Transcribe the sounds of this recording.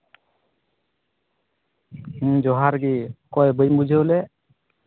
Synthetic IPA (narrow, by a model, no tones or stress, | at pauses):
d͡ʒɔɦaɾɡikɔjbəjmbud͡ʒʱelɛ